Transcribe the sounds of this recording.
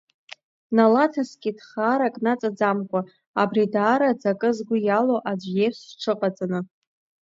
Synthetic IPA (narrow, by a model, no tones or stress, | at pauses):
nalatʰaskʲʼidχaːɾakʼnat͡sʼad͡zamkʷʼa | abridaːɾad͡zakʼɨzɡʷʊjaloʔad͡ʒʷjeʂʷʈ͡ʂʰɨqʼat͡sʼanɨ